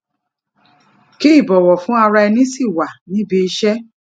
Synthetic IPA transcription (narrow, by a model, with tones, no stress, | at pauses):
ke˦i˦˨bɔ˨wɔ˨fũ˨˦a˧ɾa˧ɛ˧nĩ˦si˦˨wa˨nĩ˨˦bi˧˦ʃɛ˦